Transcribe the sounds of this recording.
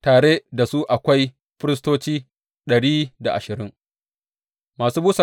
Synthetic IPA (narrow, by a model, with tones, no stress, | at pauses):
taː˨ɽe˦da˨su˦ʔa˨kʷa˦j | ɸɪ˦ɾɪ˦s̬toː˦t͡ʃiː˦ | ɗɐ˨ɽiː˦da˨ʔa̰˨ʃɪ˨ɾɪ˦ŋ | maː˨suː˦buː˦sɐ˨